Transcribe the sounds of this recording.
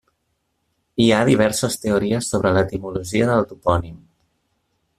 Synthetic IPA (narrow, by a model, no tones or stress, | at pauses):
iaðiβ̞ɛɾsəst̪euɾiəsːoβɾələt̪imuluʒiəðəwt̪upɔnim